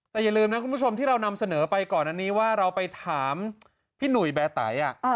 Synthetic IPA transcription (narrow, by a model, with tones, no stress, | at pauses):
t̪ɛː˨˩ja˨˩lɯː˧mna˦˥kʰu˧mʰpu˥˩t͡ɕʰo˧mt̪ʰiː˥˩ɾa˧wna˧msa˧nɤː˩˦pa˧jkɔː˨˩nʔa˧˩nːiː˦˥waː˥˩ɾa˧wpa˧jt̪ʰaː˩˦m | pʰiː˥˩nu˨˩jbɛː˧t̪a̰ː˩˦jʔa˨˩ʔ